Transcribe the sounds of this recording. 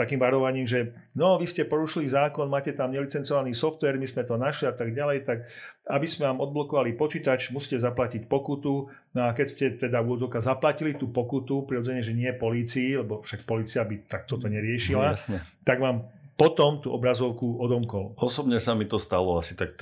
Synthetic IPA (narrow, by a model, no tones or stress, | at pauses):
t̪akiːmʋaɾɔʋaɲiːmʒɛ | nɔʋiscɛpɔɾuʃilizaːkɔnmaːcɛt̪amɲɛlit͡sɛnt͡sɔʋaniːsɔft̪ʋɛɾmismɛt̪ɔnaʃliat̪aɡɟalɛjt̪akabismɛʋaːmɔd̪blɔkɔʋalipɔt͡ʃiːt̪at͡ʃmusiːcɛzaplacicpɔkut̪u | nɔakɛcscɛt̪ɛd̪auɔd͡zɔʊkazaplacilit̪upɔkut̪upɾiɾɔd͡zɛɲɛʒɛɲɪɛpɔliːt͡siilɛbɔfʃakpɔliːt͡siabit̪ak̚t̪ɔt̪ɔɲɛɾɪɛʃilasɲɛt̪aɡmaːmpɔt̪ɔmt̪uʔɔbɾazɔʊkuɔd̪ɔmkɔʊɔsɔbɲɛsamit̪ɔst̪alɔasi̥t̪akt̪